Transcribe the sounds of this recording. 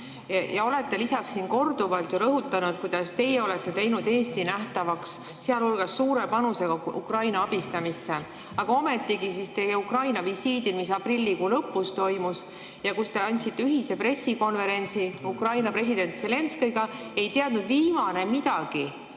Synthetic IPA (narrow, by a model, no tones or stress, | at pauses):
jɑo̞le̞t̪ːe̞lisɑksːinko̞rd̪uvɑlt̪juɾɤɦut̪ːˑɑnut̪̚kujd̪̥ɑst̪e̞jeo̞le̞t̪ˑːe̞t̪e̞jnud̪e̞ːst̪inæht̪ɑvɑks | seɑlulɡ̥ɑsːuːɾe̞pɑnuse̞ɡ̥ɑṵkrɑjnɑɑb̥ist̪ɑmisːe̞ | ɑɡ̥ɑo̞me̞t̪ˑːiɡ̥isist̪e̞jeukrɑjnɑvisiːd̪ilmisɑprilʲːikulɤpːˑust̪o̞jmus | jɑkust̪e̞ɑnʲt̪sit̪ːeyɦise̞pre̞sːiko̞nve̞ɾe̞nʲt̪siukrɑjnɑpre̞s̬id̪̥e̞nt̪se̞le̞nskiɡ̥ɑ | e̞jt̪eɑd̪nud̪viːmɑne̞mid̪̥ɑɡ̥i